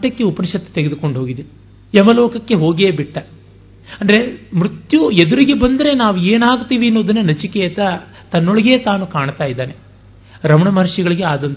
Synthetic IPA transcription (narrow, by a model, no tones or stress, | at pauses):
ʈːɐkːeupɐnʃɐt̪ːe̥t̪eɡed̪uko̞ɳɖɦo̞ːɡid̪e | ɛmɐloːkɐkːe̞ɦo̞ːɡeːbiʈːɐ | ɐnd̪ɐɾemɾut̪jued̪uɾiɡebɐnd̪ɐɾe̞naːʋueːnaːɡut̪iːʋiɐnːoːd̪ɐnːɐnɐt͡ʃikeɐt̪ɐ | t̪ɐnːoɭiɡe̞ːt̪aːnukaːɳt̪aːjid̪ːaːne | ɾɐmɐɳɐmɐɾʂiɡɐɭiɡeaːd̪ɐnt̪